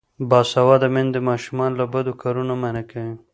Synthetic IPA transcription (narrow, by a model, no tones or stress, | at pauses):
bɑsawɑd̪amɪnd̪əmɑʃumɑnlabad̪okɑɾunamanakawi